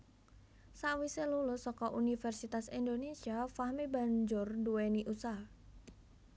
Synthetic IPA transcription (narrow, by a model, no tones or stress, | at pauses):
saʔwiselulʊsɔkɔʔunifɛrsit̪asind̪onesiafahmibaɲd͡ʒʊrduweniʔusah